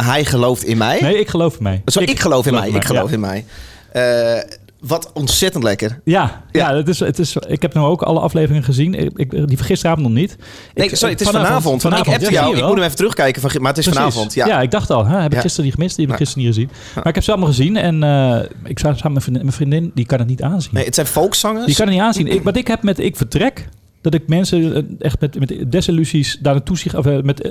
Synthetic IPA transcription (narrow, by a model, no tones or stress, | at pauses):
ɦɛjχəlowftɪnmɛjnejɪkχəlowfɪnmɛ̰jsoɪkχəlowfɪnmɛ̰jɪkχəowfɪnmɛ̰j | ə | ʋɔtɔnsɛtəntlɛkərjajaətɪsə̰tɪsɪkhɛpnuowkɑ̰ləʔɑ̰fleːvərɪŋənχəzin̰ɪdifχɪstərəaːvɔn̩tɔnit | nnesoɾiətɪsfnanaːfɔntfnaːtjaəɛlmutəmɛfətrøxkɛjkəfɔnmaətɪsrfɔsnaiːsfntjajaɪɡ̚dɑχtɔlˠɦɛhɛbəkχɪstəədiχəmɪst̚dihɛbəkχɪstərniχəzin | maɪkhɛpsɛlˠmalˠχəzinɛnə | ɪksasaːmməmɛnfrindɪndikɔnətnitaːnzinətsɛjnfolˠksɔŋədikɔnətnitaːnsinɪkʋɔtɪkhɛpmɛtɪkfərtrɛk | d̥ɔtɪk̚mɛnsəɛxtmɛtmɛtdɛsilyzisdanaːtusiɔfmɛt